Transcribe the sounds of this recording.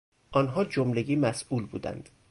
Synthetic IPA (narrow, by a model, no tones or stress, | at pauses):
ʔɒːnɦɒːd͡ʒomleɟiːmæsʔuːlbṵːd̪æ̰nd̪̥